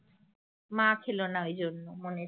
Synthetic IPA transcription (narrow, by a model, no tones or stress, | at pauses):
mãkʰelonaojd͡ʑonːomone